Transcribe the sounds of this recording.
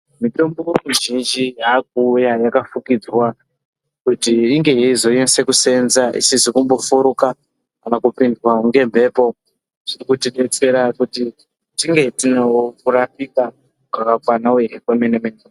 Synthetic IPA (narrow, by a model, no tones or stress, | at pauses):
mito̞mbowemuʒind͡ʒijak̚ujajakafukid͡zwa | kutiːŋɡe̞jeizo̞jense̞kuse̞nzaʔḭsizikumbo̞fuɾuka | anakupindwaŋɡe̞mbʱe̞ːpo̞ | ʐ̥irikutiɗe̞t͡se̞ɾakuti | tiŋɡe̞tinewokuɾapika | akakwanaɦekwamenemene